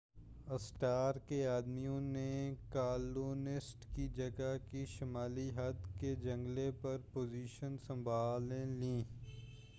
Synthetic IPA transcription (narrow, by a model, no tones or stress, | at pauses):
ɐsʈaːɾkeaːd̪mijõnekaːluːnɪsʈkid͡ʒɐɡakiʃɐmaːliɦɐd̪ked͡ʒɐ̃ŋɡlepɐɾpoːziːʃənsɐ̃mbʱaːlẽlĩː